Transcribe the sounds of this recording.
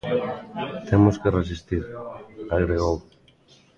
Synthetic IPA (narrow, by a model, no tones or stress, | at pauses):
t̪ʰemoskeres̬ist̪iɾaɣɾeɣow